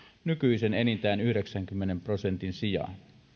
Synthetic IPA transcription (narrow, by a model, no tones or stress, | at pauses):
nykyisenenint̪æːnyhyɾe̞ksæŋkymːenempro̞se̞nt̪insijɑ̰n